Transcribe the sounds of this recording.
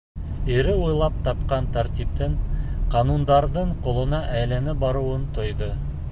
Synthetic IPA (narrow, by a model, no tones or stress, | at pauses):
eɾɪwojlˠɑp̚t̪ʰɑp̚qɑnt̪ʰæɾt̪ip̚t̪ɪɴqʰɑnund̪ɑɾd̪əɴqʰolˠənɑʔæjlenɪbɑɾuwənt̪ʰojd̪ə